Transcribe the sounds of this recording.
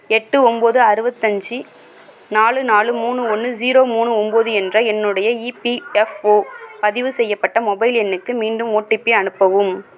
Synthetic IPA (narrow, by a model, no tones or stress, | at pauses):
ɛʈːɯɔmboːðɯɐɾɯbɐt̪ːɐɲd͡ʒɯ | naːɭɯnaːɭɯmuːɳɯɔnːɯd͡ʒiːɾoːmuːɳɯɔmboːðɯɛndrɐɛnːɯɽɐjɐiːpiɛfoːpɐðɪʋɯsɛjːɐpːɐʈːɐmɔbɐɪlɛnːɯkːɯmiːɳɖɯmoːʈːɪpːɪɐɳɯpːɐʋɯm